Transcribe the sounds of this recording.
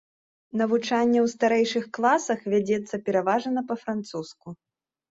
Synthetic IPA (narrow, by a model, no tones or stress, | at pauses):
nɐvut͡ʂanʲːɛwst̪aɾɛjʂɨxklˠasɐxvʲad͡zʲɛt̪sːɐpʲɛɾavaʐɐnɐpɐfɾant̪susku